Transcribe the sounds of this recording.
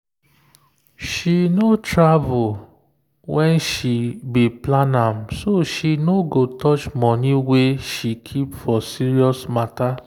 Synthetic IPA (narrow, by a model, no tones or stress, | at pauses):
ʃinotɹavul | wɛ̃nʃibiplãnãmsoʃinoɡotɔt͡ʃmɔniweʃikʰipfɔsiɹiɔsmata